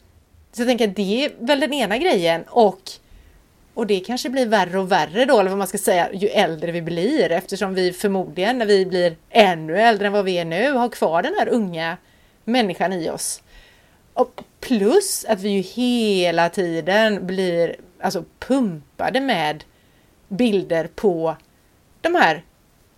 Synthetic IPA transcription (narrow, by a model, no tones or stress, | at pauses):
sɔjat̪ʰɛŋkəɾat̪̚d̪ɛævɛld̪ɛneːnaɡɾɛjːənɔk | ɔd̪ɛkʰanʂəblɪɾværəɔværːəd̪oɛlvɔmanskasɛjːa̰jɵʔɛld̪ɾəvɪbliɾɛft̪əʂɔmvɪfœɾmuːd̪lɪɡənːæɾvɪblɪɾɛnːɵɛld̪ɾəɛnvavɪæɳʉ̟ːhaɾkʰv̥ɑːɖɛnhæːɾɵŋːa | mɛnːɪɧanɪɔ̰s | ɔpʰlɵsat̪vɪjɵheːlat̪ʰiːd̪ənblɪɾalsɔpʰɵmpa̰d̪əmɛːd̪ | bɪld̪əɾpʰɔ | d̪̥ɔmhæːɾ